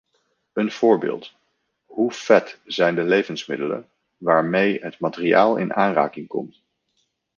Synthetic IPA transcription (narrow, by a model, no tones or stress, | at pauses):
ənv̥ʊːɹbɪ̰ːlˠt | ɦufɛtz̥ɛjndəlejvənsmɪdələ̰n | ʋaːɹmejɦətmatɪria̰ːlˠɪ̰nʔaːnra̰ːkɪŋkɔ̰mt